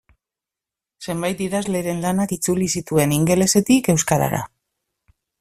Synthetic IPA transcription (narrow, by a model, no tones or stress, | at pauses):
se̞mbajt̪iðazle̞ɾe̞nlanakit͡sulisit̪ue̞niŋɡe̞le̞se̞t̪ike̞wskaɾa̰ɾa̰